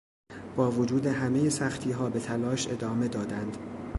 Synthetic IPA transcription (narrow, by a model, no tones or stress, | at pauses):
b̥ɒːvod͡ʒuːd̪e̞ɦæme̞jesæxt̪ʰiːɦɒːbe̞t̪ʰælɒːʃe̞̰d̪ɒːme̞d̪ɒːd̪ænd̪̥